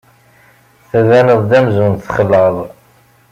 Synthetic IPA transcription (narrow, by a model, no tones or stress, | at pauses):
θæðænəðˤd̪æmzunθχəlːəðˤ